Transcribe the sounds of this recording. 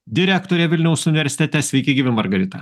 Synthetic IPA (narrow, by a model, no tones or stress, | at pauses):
d̪ʲɪɾʲækt̪oːɾʲɛʋʲɪlʲnʲɛʊsʊnʲɪʋʲɛɾʲsʲɪ̥t̪ʲɛt̪ʲɛsʲʋʲɛɪkʲɪɡʲiːʋʲɪmɐɾɡɐɾʲɪt̪ɐ̰